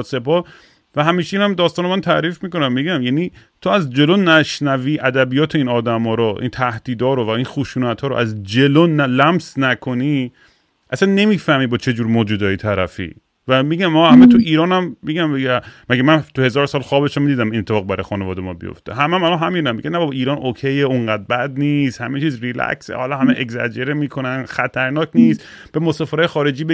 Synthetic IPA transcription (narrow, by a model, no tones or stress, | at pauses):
se̞pʰɒːh | væɦæmiːʃeiːnæmd̪ɒːst̪ɒːnemænt̪ʰæɾiːfmiːko̞næmːiːɡæmjæːniːt̪ʰoæzd͡ʒe̞lonæʃnæviːʔæd̪æbijɒːt̪ʰeiːnɒːd̪æmɒːɾoʔḭnt̪ʰæhd̪̥iːd̪ɒːɾovæinxuʃuːnæt̪hɒːɾoʔæzd͡ʒe̞lonælæmsnækʰoni | ʔæsænːe̞miːfæhmiːbɒːt͡ʃʰe̞d͡ʒuːɾmoːd͡ʒuːd̪ɒːjet̪ʰæɾæ̰fḭ | væmiːɡæmːɒhæmæt̪ʰuiːɾɒːnæmmiɡæmbeɡmæɡemænt̪ʰuhe̞zɒːɾsɒːlxɒːbe̞ʃæmid̪iːd̪æminet̪ʰːefːɣbæɾɒ̰jxɒːnevɒːd̪emɒːbḭjo̰ft̪ḛɦæmæmælɒnɦæmiːnnæmːḭɡænæbɒbiːɾɒːnʔokʰejeuŋɢæːd̪̚bæd̪niːst̪hæmet͡ʃʰiːzɾilæ̰ksḛhɒ̰lɒɦæmeʔekzæ̰d͡ʒeɾemiːkʰonænxæt̪ʰæɾnɒːkʰniːst̪ | b̥emosɒːfeɾɒːjexɒːɾe̞d͡ʒiːbe